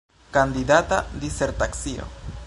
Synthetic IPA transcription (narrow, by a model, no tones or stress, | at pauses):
kand̪idatad̪iseɾtaksio̰